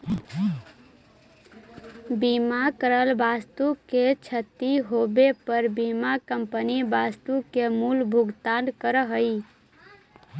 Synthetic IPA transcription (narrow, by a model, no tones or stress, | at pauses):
bimakəɾəlbast̪uket͡ʃʰət̪iɦobepəɾbimakəmpənibast̪ukemulbʱuɡt̪ankəɾəɦəi